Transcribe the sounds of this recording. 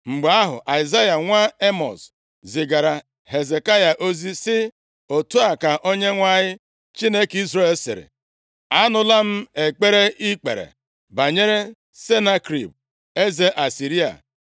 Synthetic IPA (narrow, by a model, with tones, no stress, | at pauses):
ŋ͡m̩˨ɡ͡ba˦ɦʊ̰˨ʔa˨ɪ˨za˦ja˨ŋʷa˦e˦mɔ̰˨s | zɪ˨ɡa˨ɾa˨ | ɦe˨ze˨ka˦ja˨ʔo˦zi˦sɪ˦ | o˨tu˦a˨ka˨ʔo˦ɲe˦ŋʷa˦ɲɪ˦ | t͡ʃi˦ne˦ki˦zɾe˦e˨˦sɪ̰˨ɾḛ˨ | a˦nʊ˨la˦m̩˦e˨k͡pe˦ɾe˦ʔi˦k͡pḛ˨ɾḛ˨ | ba˨ɲe˦ɾe˦ | se˦na˦kɾḭ˨b̚ | e˦ze˦ʔa˨si˨ɾi˦a̰˨